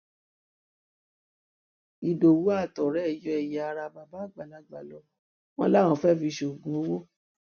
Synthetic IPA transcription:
i˨do˨wu˨˦a˦˨tɔ˨ɾɛ˨˦ɛ˦˨jɔ˧˦ɛ˨ja˨a˧ɾa˧˨ba˨ba˦˨ɡ͡ba˨la˨˦ɡ͡ba˨lɔ˨˧˦ | w̃ɔ̰̃˧˦lã˦˨ɔ̃˧˦fɛ˦˨fi˧ʃo˨ɡũ˨˦o˦wo˦

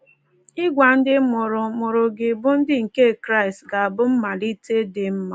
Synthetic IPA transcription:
ɪ˦ɡʷa˨n̩˦dɪ˦mʊ˨ɾʊ˨mʊ˨ɾʊ˨ɡɪ˨bʊ˦n̩˦dɪ˦ŋ̩˨ke˦˨kɾa˦i˨stɡa˨a˨bʊ˦m̩˦ma˨li˦te˦de˨m̩˦ma˨

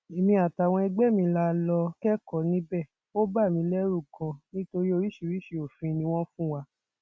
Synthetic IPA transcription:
i˨mĩ˧a˨ta˨w̃ɔ̃˧ɛ˧ɡ͡bɛ˦˨mĩ˧˦la˧˦lɔ˧kɛ˦kɔ˨nĩ˦bɛ˦˨ | o˦ba˦˨mĩ˧lɛ˦ɾu˦˨kɔ̃˧nĩ˦to˧ɾi˦o˧ɾi˦ʃi˨˧˨ɾi˦ʃi˨o˨fĩ˧nĩ˧˦w̃ɔ̃˦fũ˦wa˧

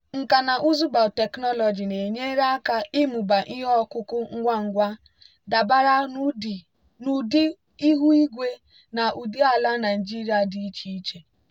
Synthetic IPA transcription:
ŋ̩˨ka˨na˨ʔu˦zu˦ba˨te˨knɔ˦lɔ˨d͡ʒi˨ne˨ɲe˦ɾa˦a˦ka˦i˦mu˨ba˨ʔi˦ɦɔ˦kʊ˦kʊ˦ŋ̩˦ɡʷa˦ŋ̩˨ɡʷa˦ | da˨ba˦ɾa˦˨ | nu˨di˦ | i˦ɦu˦i˦ɡʷe˦ | na˨ʔu˨di˦a˨la˦na˨d͡ʒi˦ɾi˨˦a˨di˨i˦t͡ʃi˦i˦t͡ʃe˨

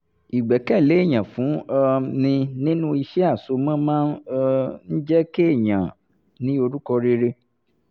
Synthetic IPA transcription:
i˨ɡ͡bɛ˨kɛ˦˨le˨˦˨ɲã˨fũ˨˦˧nĩ˧nĩ˦nũ˦i˧ʃɛ˦a˦˨so˧mã˦mãː˦n˦˧n̩˦d͡ʒɛ˦ke˦e˦˨ɲã˨ | nĩ˨˦o˧ɾu˦kɔ˧ɾe˧ɾe˧

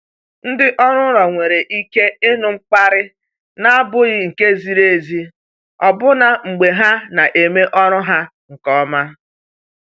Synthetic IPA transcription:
n̩˦dɪ˦ʔɔ˦ɾʊ˦ɾɔ˨ŋʷe˨ɾe˨ʔi˦ke˦ɪ˦nʊ˨ŋ͡m̩˦k͡pa˦ɾɪ˦ | na˦a˦bʊ˦ɣɪ˦ŋ̩˨ke˦zi˨ɾe˦˨e˨zi˦ | ɔ˨bʊ˦na˨ŋ͡m̩˨ɡ͡be˨ɦa˦na˨ʔe˨me˦ʔɔ˦ɾʊ˦ɦa˦ | ŋ̩˨kɔ˦ma˦

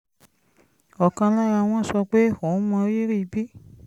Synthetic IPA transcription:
ɔ˨kã˧la˦ɾa˧w̃ɔ̃˦˨sɔ˧k͡pe˦˨hɔ̃˨˦mã˧˦ji˦ɾi˦˨˦bi˦

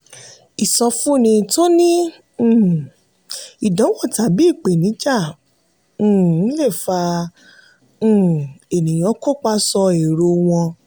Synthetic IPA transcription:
i˨sɔ˧fũ˦˨nĩ˧to˦nĩ˦˨ | i˨dɔ̃˨˦wɔ˦˨ta˨bi˨˦i˦˨k͡pe˨nĩ˨˦d͡ʒã˦˨˦ | le˦˨fa˧˦˨ | e˨nĩ˨j̃ɔ̃˨˦ko˦k͡pa˦˧sɔ˧e˨ɾo˧w̃ɔ̃˧

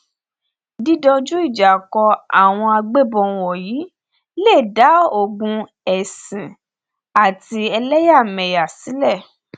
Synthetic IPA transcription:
di˦dɔ˧d͡ʒu˦i˦˨d͡ʒa˨kɔ˧a˨w̃ɔ̃˧a˧ɡ͡be˦˨bɔ̃˧˦˧wɔ˨jiː˨˦ | le˦˨da˨˦o˦˨ɡũ˧ | ɛ˨sĩ˨ | a˨ti˧ɛ˧lɛ˦ja˦˨mɛ̃˨ja˨si˨˦lɛ˦˨

